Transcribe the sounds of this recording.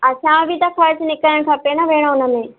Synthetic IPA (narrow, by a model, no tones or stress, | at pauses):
ɐsãːbʱɪt̪ɐkɐɾt͡ɕnɪkəɾəɽ̃kʰãːpenaʋeːɽ̃oʊnəmẽː